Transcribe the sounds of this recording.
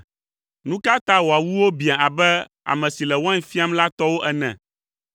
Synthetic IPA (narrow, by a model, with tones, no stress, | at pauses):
nũ˦ka˦t̪a˦wo˨a˨wu˦wo˦bi˨a˨a˨bɛ˦ | a̰˨mɛ̃˨si˨lɛ˨wã˦ɲ˦fi˦a˦mla˦t̪ɔ˦wo˦ʔɛ˦˨nɛ̰̃˨